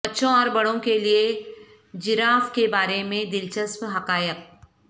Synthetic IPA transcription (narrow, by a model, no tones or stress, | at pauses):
bətːʃõɔːɾbɐɽõkelie | d͡ʒɪɾaːfkebaːɾemẽd̪ɪlt͡ʃəspɦɐqaːjəq̚